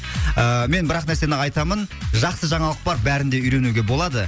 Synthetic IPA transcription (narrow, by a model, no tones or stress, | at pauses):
əme̞nbɪɾɑqnæɾse̞nɪɑjt̪ɑmənʒɑqsəʒɑɴɑlˠəq̚bɑɾbæɾɪnd̪e̞ʏjɾe̞nuɡʲe̞bo̞lˠɑd̪ə